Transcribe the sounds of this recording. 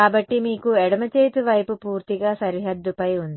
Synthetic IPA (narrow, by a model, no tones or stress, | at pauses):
kaːbɐʈːimiːkuɛɽɐmɐt͡ʃeːt̪uʋɐjpupuːɾt̪iɡaːsɐɾiɦɐd̪ːupɐjund̪i